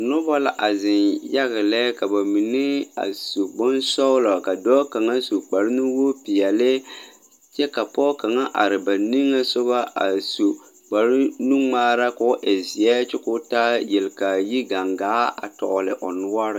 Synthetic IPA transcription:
nʊ˦ba˦la̰˨ʔa˨zɪ˨nja˦ɣɪ˨lɛ˦ka˨ba˨mi˨nɪ˦a̰˨so˨bɔ˦nsɔ˦wla˨ka˨dɔː˦ka˨ŋa˦so˨k͡pa˨ɾɪ˦nu˦wo˦pi˨jɛ˨lɪ˦ | t͡ʃɛ˦ka˨pɔː˦ka˨ŋa˦ʔa˨ɾɪ˨ba˨ni˦ŋːa˦sʊ˦ba˦a̰˨so˨ | k͡pa˨ɾɪ˦nu˦ŋ͡maː˦ɾa˦ka˨˦ʔɛ˨zi˨ɛ˦t͡ʃɪ˦kʊ˦ta˦jɛ˨lka˨ji˦ɡa˨ŋɡaː˨˦a̰˨tɔ̰˨ʔʊ˨lɪ˨ʔɔ˨nʊ˦wa˦ɾɪ˦

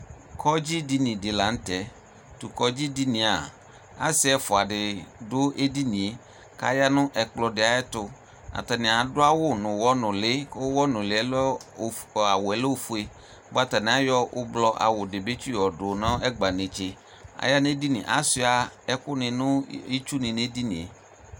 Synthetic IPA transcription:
kʰɔ˦d͡ʒi˦di˦nĩ˨dɪ˨la˨n̩˦tɛ˨ | tu˨kɔ˦d͡ʒi˦di˦nĩ˨a˨ | a̰˨˦sɪ˦ɛ˨fʊ˨a˨dɪ˨dʊ˦ʔe˦di˦nĩ˨e˨˦ | ka̰˦ja˦nʊ̃˦ʔɛ˨k͡plɔ˧dɪ˨a˨˦ɛ˦tʊ˧ | a̰˨ta˨nɪ̃˨a˨dʊ˦a˦wʊ˦˨nʊ̃˨wɔ˦nʊ̃˨lɪ˨˦kwɔ˦nʊ̃˨lɪ˨ɛ˦l | a˨wʊ˨ɛ˨lɔ˦o˦fu˦e˨ | bʊ˦a˦ta˨nɪ̃˨a˦jɔ˦ʔʊ˦blɔ˦ʔa̰˨wʊ˨dɪ˨be˦t͡ʃu˦ɔ˨dʊ˨nɔ̃˦ɛ˦ɡ͡ba˨nẽ˨t͡ʃe˨ | a̰˨ja˦ne˦di˦nḭ̃˨ʔa̰˨˦sɪ˦a˨ɛ˦kʊ˦nɪ̃˨nʊ̃˦i˦t͡ʃu˦nɪ̃˨ne˦di˦nĩ˨ḛ˨

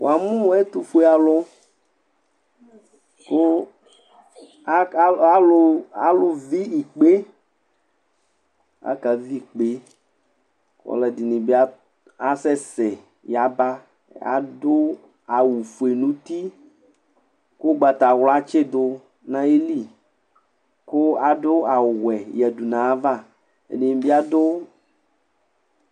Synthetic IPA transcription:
wo̰˨a˨mũ˦wɛ˦t̪u˦fu˦e˦a˨lʊ˦ | ko˦ | a˦lʊ˦a˨lʊ˨vi˦i˨k͡pe˦ | a̰˦ka˨vi˦˨k͡pe˦ | kɔ̰˨˦lɛ˨di˨nĩ˨be˦a˦ | a˨sɛ˦sɛ˨ | ja˨ba˦ | a̰˨dʊ˦ | a˨wu˨fu˨e˨nũ˦t̪i˦ | kʊ˦ɡ͡ba˨t̪a˨wla˦t͡ʃe˦dʊ˦ | nã˦e˦li˦˨ | kʊ˦a˨dʊ˦a˨wɛ˨jɛ˨du˨nã˨˦va˦˨ | ḛ˨ni˨n˨bi˦a˦dʊ˦

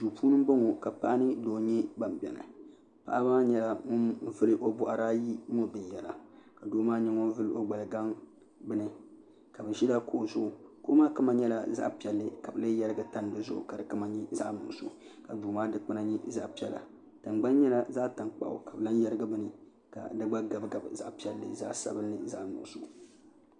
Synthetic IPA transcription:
duː˨puː˦nɨ˦m˦bo˦ŋo˨ka˨pa˦ʔa˦nɨ˦doː˨ɲɛ˦ba˨mbɛ̰˨na̰˨ | pa̰˨ʔa˦maː˦ɲɛ˦la˨ŋo˦nvɨ˦lɨ˦ʔo˦bʊ˦ʔa˨ɾaː˦ji˦mo˦˨bɨ˨jɛ˨la̰˨ka˨doː˦maː˦ɲɛ˦ŋo˦n˦vɨ˦lɨ˦ʔo˦ɡ͡ba˨lɨ˨ɡa˦ŋ | bɨ˦nɨ˨ | ka˨bɨ˨ʒi˦da˦ko˦˨zʊ˦ʔʊ˨ko̰˦maː˦kɨ˦ma˨ɲɛ˦la˨za̰˦ʔpi˨ɛ˨lːɨ˦ka˨bɨ˨lɨ˦ja˦ɾɨ˦ɡa˦ta˦n˨dɨ˨zʊ˦ʔʊ̰˨ka˨dɨ˨kɨ˦ma˦ɲi˦za˦ʔnʊ̰˨ʔso̰˦ka˨duː˨maː˦dɨ˦k͡pɨ˦na˦ɲi˦za̰˦ʔpi˦ɛ˦la̰˨ | tɨ˨mɡ͡ba˦nɲɛ˦la˦za˦ta˨ŋk͡pa̰˨ʔʊ̰˨ka˨bɨ˨la˦n˦jɛ˦ɾɨ˦ɡa˦bɨ˨nɨ˨ | ka̰˨dɨ˦ɡ͡ba˦ɡa˨bɡa˨bza̰˦ʔpi˨ɛ˨lːɨ̰˨za̰˦ʔsa̰˨˦bɨ˦lnɨ˨za˦ʔnʊ̰˨so˨

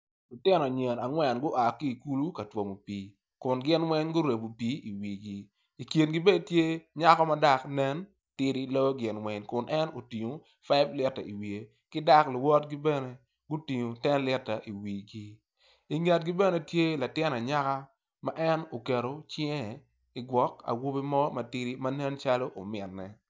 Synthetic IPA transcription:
lʊ˨tɪ˦nɔ˨ɲe˨na˨ŋwɛ˨nɡʊ˦ʔa˨ki˦˨ku˦lu˦ka˨two˨mo˨piː˦ | kʊ˨nɡɪ˦nwɛ˦ɲɡʊ˦ɾe˨bo˨piː˦i˨wi˨ɡi˦ | i˨kji˨nɡi˦be˦dtje˦ɲa˦kɔ˦ma˦da˦knɛ˦n | tɪ˦ɾi˦lo˦ɡɪ˦nwɛ˦ɲkʊ˨nʔɛ˦no˨ti˨ɲo˨ | fa˦ɪblɪ˦tːa̰˨ḭ˨wi˨e˨ | kɪ˦da˦klwɔ˦tɡi˦bɛ˦nɛ˨ | ɡʊ˦ti˨ɲo˨tɛ˦nlɪ˦tːa˨ʔi˨wiː˨ɡi˦ | i˨ŋɛ˨t̚ɡi˦bɛ˦nɛ˨tje˦la˨tɪ˦na˨ɲa˦ka˦ | ma˦ʔɛ˦no˨ke˨ɾo˨t͡ʃɛ˦˨ | i˨ɡwɔ˦ka̰˨wo˦bi˦mɔ˦mɐ˨ti˦ɾi˦ma˦nɛ˦nt͡ʃa˦lo˦ʔo̰˨mɪ˨nːɛ̰˨

